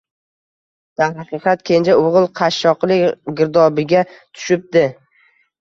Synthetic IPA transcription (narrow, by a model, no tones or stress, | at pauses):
d̪̥anɦɑqɨqʰɑt̪̚kʲʰent͡ʃʰaʊʁɨlˠqʰɑʃːɒqlˠɪkʲɡʲɪɾd̪ɒbɪɡʲat̪ʰʊ̥ʃɪp̚d̪̥ɪ